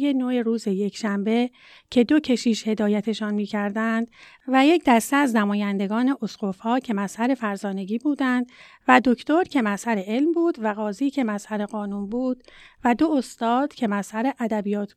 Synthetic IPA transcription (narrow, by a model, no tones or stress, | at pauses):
jenoeɾuːze̞je̞cʰʃæmbe̞ | cʰe̞d̪o̞cʰe̞ʃiːʃhe̞d̪ɒːjæt̪ʰe̞ʃɒːnmiːcʰæɾd̪ænd̪̥ | væje̞cʰd̪æst̪eæznæmɒːjænd̪e̞ɡɒːne̞ʔosɡofɒːcʰe̞mæshæɾe̞fæɾzɒːne̞ɡiːbuːd̪ænd̪̥ | væd̪o̞cʰt̪o̞ɾcʰe̞mæsæɾe̞ʔe̞lmbuːd̪væɣɒːziːcʰemæshæɾe̞ɣɒːnuːnbuːd̪̥væd̪o̞ost̪ɒːd̪̥cʰe̞mæshæɾe̞ʔæd̪æbijɒːt̪ʰ